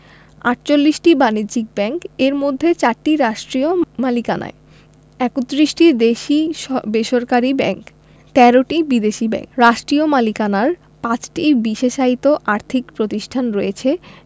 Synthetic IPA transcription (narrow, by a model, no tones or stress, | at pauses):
a̰ʈ̚t͡ɕolːiʃʈibaniɾd͡ʑik̚bɛŋkeɾmod̪ʱːet͡ɕaɾʈiɾaʃʈɾiomalikana̰e | ɛkot̪ːɾiʃʈid̪eʃibeʃoɾkaɾibɛ̰ŋk | t̪ɛɾoʈibid̪eʃibɛ̰ŋɾaʃʈɾiomalikanaɾ | pãt͡ɕʈibiʃeʃait̪oʔaɾt̪ʰikpɾot̪iʃʈʰanɾɔjet͡ɕʰe